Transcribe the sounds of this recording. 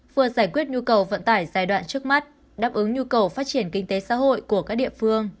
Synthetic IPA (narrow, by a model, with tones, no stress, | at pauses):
vɨ˧˩əzaː˧˩jkwi˦˥ət̚ɲu˧kə˨˩wvə̰˧˨nt̪aː˧˩jzaː˧˩jɗwa̰ː˧˨nt͡ɕɨ˦˥ək̚ma˦˥t̚ | ɗaː˧˩p̚ʔɨ˨˦ŋɲu˧kə˨˩wfaː˦˥t̚t͡ɕi˧˩ənkï˧ŋ̟t̪e˨˦sa̰ː˧˥ɦo̰˧˨jku˧˩əkaː˦˥k̚ɗḭ˧˨əfɨ˧əŋ